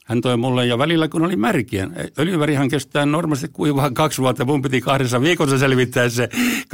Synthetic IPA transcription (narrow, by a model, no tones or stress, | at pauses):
hænt̪oimulːejjɑʋælilːækunolimærkiæ̰nḛøljyʋærihæŋkest̪æːnnormɑst̪ikkuiʋɑːŋkɑksʋuɑt̪ːɑmumpit̪ikɑhɾesːɑʋiːkosːɑselʋit̪ːæːssek